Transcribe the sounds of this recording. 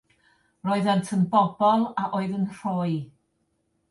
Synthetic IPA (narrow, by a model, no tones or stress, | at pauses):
roːɨðantʰənbɔbɔlˠaʔoːɨðənr̥oːɨ